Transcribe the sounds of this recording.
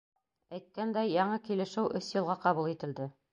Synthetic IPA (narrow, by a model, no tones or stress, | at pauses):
æjt̪̚kænd̪æjːɑɴɤkilɘ̆ʃɘwʔɵsjɤ̆lˠʁɑqɑβulˠit̪ɘ̆ld̪ɘ